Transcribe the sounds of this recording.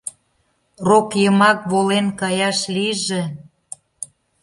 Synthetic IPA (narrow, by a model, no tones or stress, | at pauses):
rokjəmɑk̚βolenkɑjɑʃliʒĕ